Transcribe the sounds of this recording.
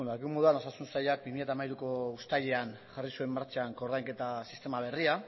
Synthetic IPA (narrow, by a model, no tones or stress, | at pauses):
naɣiumo̞ðuano̞sasunsajak̚bimiʎat̪amaiɾuko̞ust̪aʎe̞an | ʝarisue̞mːaɾt͡ʃaŋko̞ɾðajŋke̞t̪asist̪e̞maβ̞e̞ria